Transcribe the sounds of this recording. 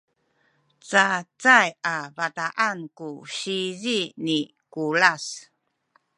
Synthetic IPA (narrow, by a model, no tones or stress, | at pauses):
t͡sat͡sajavataʔankuɕizini | kulas